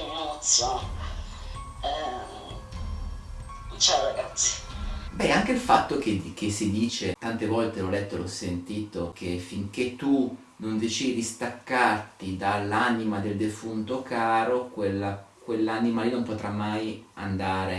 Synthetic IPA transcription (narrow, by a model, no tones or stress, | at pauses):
emɔt̪sjo | t͡ʃaɾaɡat̪sːi̥bɛaŋk̟eilfat̪ːok̟ek̟esːid̪iːt͡ʃet̪ant̪evɔlt̪elɔlɛt̪ːolɔsːent̪iːt̪ok̟efiŋk̟et̪ːu | nond̪et͡ʃiːd̪id̪ist̪akːart̪id̪alːanimad̪eld̪efunt̪okaːɾokwelːakwelːaanimalinompot̪ɾamːaja̰nd̪aːɾe